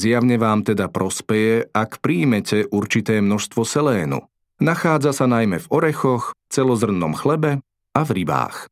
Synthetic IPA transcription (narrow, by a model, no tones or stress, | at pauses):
zjaʊɲɛʋaːmt̪ɛd̪apɾɔspɛjɛakpɾiːmɛcɛʔuɾt͡ʃit̪ɛːmnɔʃst̪ʋɔsɛlɛːnṵ | naxaːd͡zasanajmɛvɔɾɛxɔxft͡sɛlɔzr̩nːɔmxlɛbɛ | avɾiba̰ːx